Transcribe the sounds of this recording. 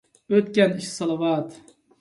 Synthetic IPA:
øt̪kʲɛniʃsɑlˠɑwɑt̪

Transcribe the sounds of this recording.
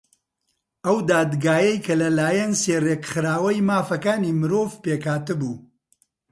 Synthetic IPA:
ɐwd̪aːd̪ɡaːjɐjkʰɐlɐlaːjɐnseːreːkχɨɾaːwɐjmaːfɐkaːnimɨɾoːvpeːkʰaːt̪ɨbuː

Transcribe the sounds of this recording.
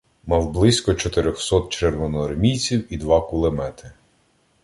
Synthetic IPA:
mɑwblˠɪsʲkɔt͡ʃɔt̪ɪɾʲɔxsɔt̪̚t͡ʃerʋɔnɔɐrmʲijt͡sʲiwid̪ʋɑkʊlˠemɛt̪ɪ

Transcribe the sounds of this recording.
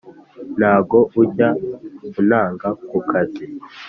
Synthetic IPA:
n̥haːbɡo̞ʔuɟakunaːŋɡakukʰazi

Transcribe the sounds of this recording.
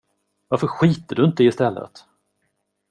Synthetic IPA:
vaɾfəɾɧiːt̪əɖɵɪnt̪əɛɪst̪ɛlːə̰t̪

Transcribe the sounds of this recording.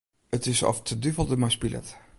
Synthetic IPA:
ətɪsɔ̰ftʰədyvəlˠdəmaspilʔɛ̰t

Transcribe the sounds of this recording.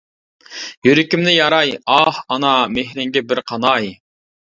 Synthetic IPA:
jyɾɪkʲimnɪjɑɾɑjɑhɑnɑmehɾɪŋɡʲɛbɪɾqʰɑnɑj

